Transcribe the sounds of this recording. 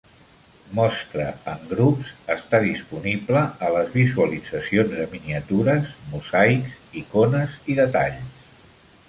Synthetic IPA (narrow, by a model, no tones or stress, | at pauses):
mɔst̪ɾə̰əŋɡɾupsəst̪aðispunibləːləzβizuəlidd͡zəsionzðəminiət̪uɾəzmuzajksikonəziðət̪aʎs